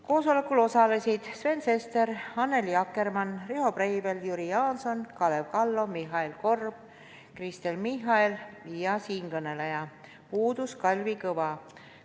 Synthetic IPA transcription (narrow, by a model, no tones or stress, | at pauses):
ko̞ːso̞lekːˑulo̞sɑle̞sid̪̥sve̞nse̞st̪e̞ɾɑnːe̞ljɑkːˑe̞rmɑnreɦo̞brejve̞ljuɾijɑːnso̞nkɑlevkɑlːo̞miɦɑilko̞rb̥̚ | krist̪elmiɦɑiljɑsiːŋkɤnelejɑ | puːd̪uskɑlʲvikɤvɑ